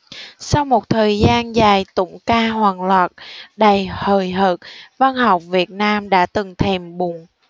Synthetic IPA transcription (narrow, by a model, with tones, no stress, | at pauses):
sa˧wmo˨˩t̚t̪ʰəː˨˩jzaː˧nzaː˨˩jt̪ʊ̰˧˥ŋ͡mkaː˧ɦwaː˨˩ŋlaː˨˩t̚ɗa˨˩jhəː˨˩jɦəː˨˩t̚va˧nha˨˩wk͡p̚vi˨˩ət̚naː˧mɗa̰ː˧˥t̪ɨ˨˩ŋt̪ʰɛ˨˩mɓʊ˨˩ŋ